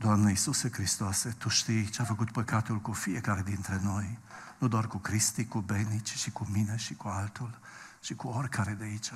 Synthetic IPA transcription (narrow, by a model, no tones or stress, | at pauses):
d̪anːeisusekɾist̪oaset̪uʃt̪it͡ʃafakut̪pekːat̪ulkufiɛkaɾed̪int̪ɾenojnud̪ɔɾkukɾist̪ikubɛnit͡ʃi̥t͡ʃikuminɛʃikualt̪ult͡ʃikuɔɾkʰaɾed̪eit͡ʃa